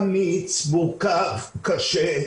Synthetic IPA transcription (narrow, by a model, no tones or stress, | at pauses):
mit͡sbukavkaʃɛ